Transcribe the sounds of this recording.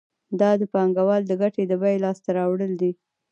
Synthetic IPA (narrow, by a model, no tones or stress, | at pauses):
d̪ɑd̪əpɑŋɡawɑld̪əɡaʈed̪əbajlɑst̪aɾɑwɽəld̪i